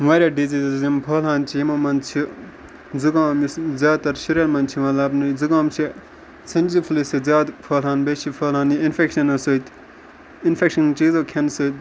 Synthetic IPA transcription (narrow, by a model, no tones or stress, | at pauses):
maːɾʲaːɖiziːzzimpʰoːlaːnt͡ʃʰijimoːmɐnt͡ʃʰi | d͡zuɡaːmiszjaːd̪̚t̪ɐɾʃɐɾʲɐɾmɐnt͡ʃʰimɐlaːbnuzuɡaːmt͡ʃʰi | t͡sʰɐnʲd͡ʒipʰlisizjaːd̪pʰoːlɦaːnbet͡ʃipʰoːlaːniinfʰekʃɐnɐsoːt̪ | infʰekʃɐnt͡ʃiːzokʰɐnsot̪̚